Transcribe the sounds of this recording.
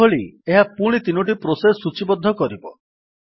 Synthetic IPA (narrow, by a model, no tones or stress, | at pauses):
oɭieɦapuɽ̃it̪inuʈ̬ipɾosesːut͡ʃibɔd̪ʱːɔkɔɾibɔ